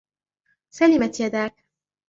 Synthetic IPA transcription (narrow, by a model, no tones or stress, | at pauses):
sɛlʲimɛt̪jɛd̪aːk